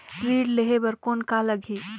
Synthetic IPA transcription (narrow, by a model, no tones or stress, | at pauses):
ɾiːɖleɦebɐɾkoːnkalɐɡʱiː